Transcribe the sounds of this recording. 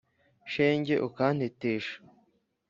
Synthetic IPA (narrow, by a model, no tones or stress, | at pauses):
ʃeːɲɟeʔukaːn̥eteːʃḁ